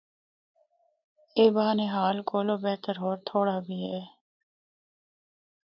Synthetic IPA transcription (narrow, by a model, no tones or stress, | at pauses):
eːbaːneɦaːlkoːloːbɛːt̪əɾɦoːɾt̪ʰoːɽaːbʱiːɦɛː